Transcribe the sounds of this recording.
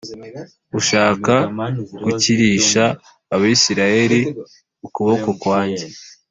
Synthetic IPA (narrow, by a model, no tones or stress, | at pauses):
uʃaːkaɡuciɾiːʃaː | βaisiɾaje̞ɾi | ukuβoko̞kwaːɲɟe̞